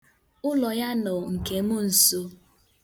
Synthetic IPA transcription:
ʊ˦lɔ˨ja˦nɔ˨ŋ̩˨ke˨mʊ˦n̩˨so˦

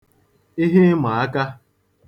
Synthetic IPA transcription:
i˦ɦe˦ma˨a˦ka˦

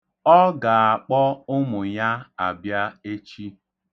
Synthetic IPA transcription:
ɔ˦ɡa˨a˨k͡pɔ˦ʊ˦mʊ˨ɲa˦a˨bja˦e˦t͡ʃi˦

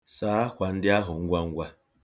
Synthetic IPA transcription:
saː˦a˦kʷa˨n̩˦dɪ˦a˦ɦʊ˨ŋ̩˦ɡʷa˦ŋ̩˦ɡʷa˦

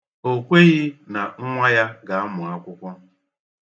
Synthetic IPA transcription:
o˦kʷe˦ɣi˦na˨ŋ̩˦ŋʷa˦ja˦ɡa˨˦a˦mʊ˨a˦kʷʊ˦kʷɔ˦

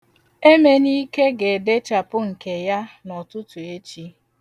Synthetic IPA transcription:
e˦me˦ni˦ke˦ɡe˨de˦t͡ʃa˨pʊ˦ŋ̩˨ke˨ja˦nɔ˨tʊ˦tʊ˨e˦t͡ʃi˦

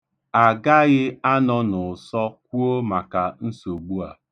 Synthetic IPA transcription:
a˨ɡa˦ɣɪ˦a˦nɔ˦nʊ˨sɔ˦k̚ʷu˦o˦ma˨ka˨n̩˦so˨ɡ͡bu˦a̰˨

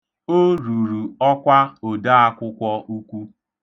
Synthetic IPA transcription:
o˦ɾu˨ɾu˨ɔ˦kʷa˦o˨da˦a˦kʷʊ˦kʷɔ˦u˦kʷu˦

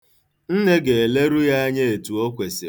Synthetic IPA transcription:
n̩˦ne˦ɡe˨e˨le˦ɾu˦ja˦ɲe˦e˨tu˨o˦kʷe˨sɪ˨

